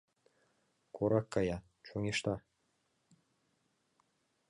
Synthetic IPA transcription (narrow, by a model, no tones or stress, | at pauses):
kʰoɾɑkːɑjɑ | t͡ɕoŋʲeʃt̪ɑ